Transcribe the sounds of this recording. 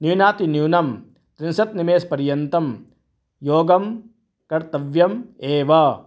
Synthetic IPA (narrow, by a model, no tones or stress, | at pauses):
niwnaːt̪injuwnɐm | t̪ɾɪnsɐt̪nimeːspɐɾjɐnt̪ɐm | joːɡɐm | kɐɾt̪ɐʋjɐmeːʋɐ